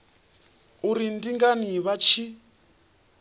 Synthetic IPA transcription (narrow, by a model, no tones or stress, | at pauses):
uɾindiŋɡaniβat͡ʃʰi